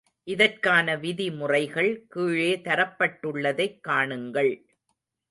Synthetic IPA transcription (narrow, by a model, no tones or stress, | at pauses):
ʔɪðɐrkaːnɐʋɪðimʊrɐɪɣɐɭkiːɻeːt̪ɐɾɐpːɐʈːɯɭːɐðɐɪkːaːɳɯŋɡɐɭ